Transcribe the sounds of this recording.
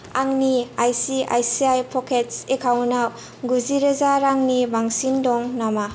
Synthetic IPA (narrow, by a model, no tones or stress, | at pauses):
aŋniajsiʔa̰jsiajpʰɔkʰet̚sekʰawnaw | ɡuziɾɐzaɾaŋnibaŋsindɔŋnama